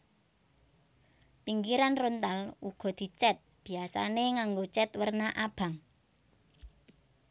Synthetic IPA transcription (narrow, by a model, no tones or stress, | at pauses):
piŋɡiɾanront̪aluɡ̥ɔ̤d̪̥i̤t͡ʃɛt̪̚b̥i̤asa̰neŋaŋɡot͡ʃɛt̪wərnaʔab̥a̤ŋ